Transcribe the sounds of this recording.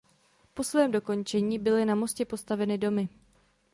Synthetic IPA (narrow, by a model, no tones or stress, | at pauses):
po̞svɛːmdo̞ko̞nt͡ʃɛɲiːbɪlɪnamo̞scɛpo̞st̪avɛnɪdo̞mɪ